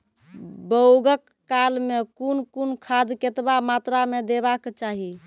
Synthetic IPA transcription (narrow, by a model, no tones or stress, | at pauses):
bəwɡəkːalmekunkunkʰad̪ket̪bamat̪ɾamed̪ebakt͡ʃaɦi